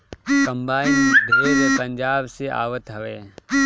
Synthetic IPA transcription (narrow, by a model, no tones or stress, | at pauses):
kəmbaːind̪ʱoeɾepə̃ɲd͡ʒaːbsea̰ːʋət̪ɦɐʋeː